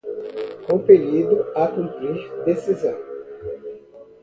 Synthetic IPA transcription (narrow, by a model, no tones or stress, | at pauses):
kõfeɾid̪ʊakũtiʒd̪esizɐ̃w̃